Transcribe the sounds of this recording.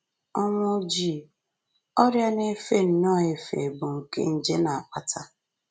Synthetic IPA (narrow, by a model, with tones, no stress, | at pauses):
ɔ˦ŋʷʊ˦d͡ʒi˦˨ | ɔ˦ɾja˦ne˦fe˦n̩˨nɔ˦˨e˨fḛ˨bʊ˨ŋ̩˨kḛ˦n̩˦d͡ʒe˦na˨a˨k͡pa˨tʰa˦